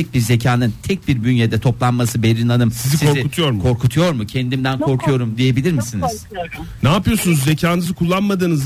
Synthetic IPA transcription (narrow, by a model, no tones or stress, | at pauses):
ɛc̚biɾze̞cʰaːnɯnt̪ʰɛc̚biɾbynjed̪ɛt̪ʰo̞plˠanmasɯbeɾinanɯmsizisikɾiut̪ʰujoɾmkʰo̞ɾkʰut̪ʰujo̞ɾmucʰɛnd̪imd̪ænkʰo̞ɾkʰujo̞ɾumd̪ije̞bilʲiɾmisiniz̥ | naːpɯjo̞sunuzze̞cʰaːnɯzɯkʰulˠːanmad̪ɯːnɯz